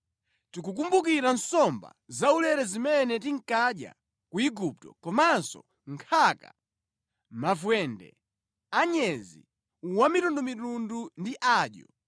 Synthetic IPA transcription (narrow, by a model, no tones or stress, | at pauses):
tikuk̬umbukiɾansɔmba̰zaulɛɾɛzimɛnɛtiŋ̩kaɗja̰ | kuiɡup̚tɔ̰kɔmansɔ̰ | ŋkʰaka̰ | mavwɛndɛ̰ | aɲɛzḭ | wamitundumitundundiʔaːɗjɔ̰